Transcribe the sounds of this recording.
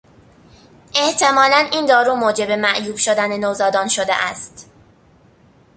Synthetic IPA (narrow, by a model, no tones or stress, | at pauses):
ʔe̞ht̪ʰe̞mɒːlæniːnd̪ɒːɾuːmoːd͡ʒebemæʔjuːb̥ʃo̞d̪ænenoːzɒːd̪ɒːnʃod̪ḛʔæ̰st̪